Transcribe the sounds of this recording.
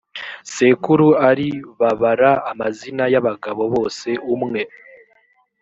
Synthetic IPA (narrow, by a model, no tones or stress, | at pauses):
se̞kuɾuaɾiβaβaɾaːmazinajaβaɡaβo̞βo̞ːse̞umŋe̞